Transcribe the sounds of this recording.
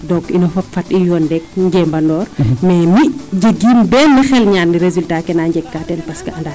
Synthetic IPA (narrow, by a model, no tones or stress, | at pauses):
dɔkinɐfɐpfɐtijɔːndɛk̚ɲɡɛːmbɐndɔːrmɛːmiɟəɡːiːmbɛːlnixɛlɲaːniɾezultaːkɛnaːɲɟɛkːatɛnpɐskɐɐnda